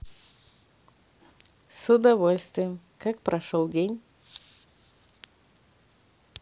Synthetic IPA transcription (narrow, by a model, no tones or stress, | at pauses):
sʊd̪ɐvolʲst̪vʲɪjəmkak̚pɾɐʂolˠdʲenʲ